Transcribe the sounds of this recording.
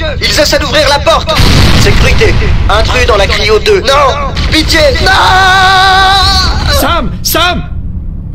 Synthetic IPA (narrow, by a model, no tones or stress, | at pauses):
ilzɛsɛd̪uvʁiʁlapɔʁt̪sekʲyʁit̪eɛ̃t̪χyd̪ɑ̃lakχiod̪ønɔ̃pit̪jenɔ̃ | samsam